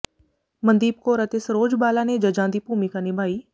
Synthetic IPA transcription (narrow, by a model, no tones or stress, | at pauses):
mɐ̃nd̪iːb̚koɾət̪esɾoːd͡ʒbaːlaːned͡ʒɐd͡ʒãːnd̪iːpuːmikanɪbʱaːiː